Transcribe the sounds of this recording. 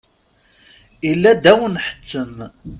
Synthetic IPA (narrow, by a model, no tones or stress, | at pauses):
ilːæd̪æwənħə̥t͡sːəm